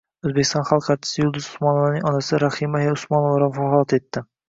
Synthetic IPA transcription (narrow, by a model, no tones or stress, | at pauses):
ɵzbe̞kʲɪ̥st̪ɒ̃nχɑlˠqʰɑt͡ʃʰːɪ̥sɪjʊlˠd̪ʊsʊ̥smɒnovanɪŋɒnasɪɾahɪmaheʊsmɒnovaɾamfahlˠat̪et̪ʰːɪ